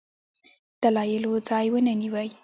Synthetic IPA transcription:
d̪̥alɑjɪlod͡zɑjwənəniwəj

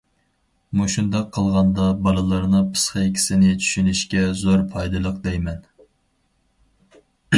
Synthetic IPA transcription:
muʃund̪ɑqʰːəlˠʁɑnd̪ɑbɑlˠɨlˠɑɾnɨpʰɨ̥sχɑekʲʰi̥sɪnɪt͡ʃʰy̥ʃynyʃkʲɛzoɾpʰɑjd̪ɨlˠəq̚d̪ɛjmɛn

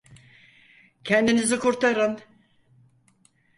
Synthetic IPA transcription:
cʰɛnd̪inizikʰuɾt̪ʰaɾɯn

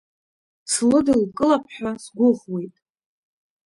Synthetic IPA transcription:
t͡sʰlɨdɨlkʼɨlapʰħʷᶣasɡʷʊʁwe̞jtʼ

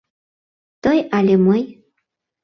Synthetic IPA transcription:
t̪əjɑlʲeməj

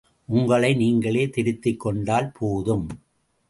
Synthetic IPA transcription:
ʔʊŋɡɐɭɐɪniːŋɡɐɭeːt̪ɪɾɪt̪ːɪkːɔɳɖaːlpʰoːðɯm

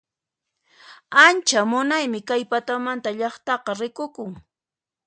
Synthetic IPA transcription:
ant͡ʃamʊnajmɪkajpat̪amant̪aʎɑχt̪ɑqɑɾɪkʊkʊŋ

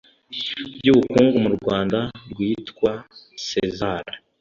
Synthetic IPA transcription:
bɟuːβukuːŋɡumuɾɡwaːndabɡwiːtkwa | sezaɾa

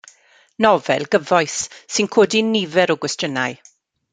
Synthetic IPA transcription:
nɔvɛ̰lˠɡəvɔjsːɪnkʰoːdinivɛɾɔɡwɛstənaj

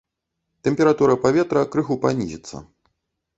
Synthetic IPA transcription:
t̪ɛmʲpʲɛɾat̪uɾɐpavʲɛt̪ɾɐkɾɨxupa̰nʲizʲit̪sːɐ̰

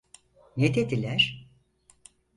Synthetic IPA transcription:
ned̪ed̪ilʲæɾ̥

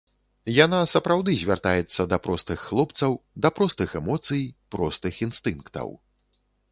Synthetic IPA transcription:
janasɐpɾawd̪ɨzʲvʲa̰rt̪ajɛt̪sːɐd̪ɐpɾɔst̪ɨxːlˠɔpt̪sɐwd̪ɐpɾɔst̪ɨxɛmɔt̪sɨjpɾɔst̪ɨxinst̪ɨnkt̪ɐ̰w

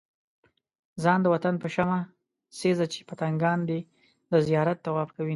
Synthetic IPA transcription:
zɑnd̪əwat̪anpəʃama | sezat͡ʃe̥pət̪aŋɡɑnd̪e | d̪əzijɑɾat̪̚d̪awɑbkawi

